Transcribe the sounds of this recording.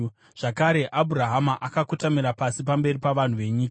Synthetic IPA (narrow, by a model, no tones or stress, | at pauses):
ʐ̥akaɾe̞ʔabʱuɾaɦamaʔakakutamiɾapasipambe̞ripaʋan̤uʋe̞ɲiːka